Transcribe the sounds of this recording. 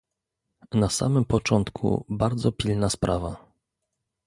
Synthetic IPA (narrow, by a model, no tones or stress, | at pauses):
nasa̰mɘmpɔt͡ʂɔnt̪kʰṵbaɾd̪zɔpʲilnaspɾʔava